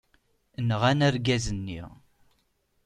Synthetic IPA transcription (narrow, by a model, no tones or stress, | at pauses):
nəʁænæɾɡæzənːḭʁ